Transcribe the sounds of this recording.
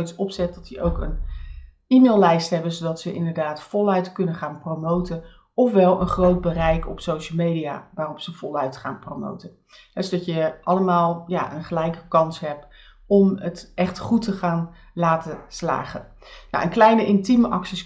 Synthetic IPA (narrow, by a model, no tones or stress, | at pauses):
tsɔpsɛt̚dɑtjəʔowkən | imeːlˠlɛjstɦɛbənzowdɑtsəʔɪ̰ndəɹdaːtfɔlˠœɥtkɵnəχaːnprowmowtən | ɔfʋɛlˠə̰nχrowd̚bərɛjkʰɔpsowʃəl̩ˠmejdija̰ːʋaːrɔpsəvɔlˠœɥtχa̰ːnprowmo̰wtən | hɛsodɑtjəʔɑləmaːlˠjaːʔənχəlɛjkəkɑnsɦɛp̚ | ɔmətʔɛχtχutəχaːn | laːtəsla̰ːχən | na̰ʔənklɛjnəʔɪntiməʔɑksis